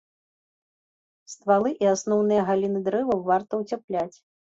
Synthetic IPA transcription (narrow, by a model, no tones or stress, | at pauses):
st̪valˠɨʔiasnɔwn̪ɨjɐɣalʲinɨd̪ɾɛvɐwvart̪ɐwt͡sʲaplʲat͡sʲ